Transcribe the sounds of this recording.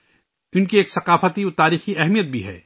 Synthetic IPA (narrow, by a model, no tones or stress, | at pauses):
ʊnkieːksɐqaːfət̪iʊt̪aːɾiːxiɛɦmijət̪̚bʱiɦɛ̰ː